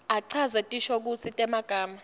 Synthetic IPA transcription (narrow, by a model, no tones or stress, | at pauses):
aǀʰazɛtʼiʃok̬ut͡sʰitʼɛmaɡ̥ʱaːma